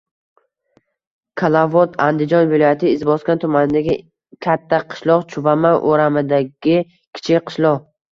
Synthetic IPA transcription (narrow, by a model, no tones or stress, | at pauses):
kʰalˠavɒt̪ʰand̪ɪd͡ʒɒnvɪlˠɒjat̪ʰɪɪzbɒskʲant̪ʰʊmanɪd̪aɡʲɪ | kʲʰat̪ʰːaqʰɨ̥ʃlˠɒqt͡ʃʰʊvamaʔoɾamɪd̪aɡʲɪ | kʲʰɪ̥t͡ʃʰɪqʰɨ̥ʃlˠɒʁ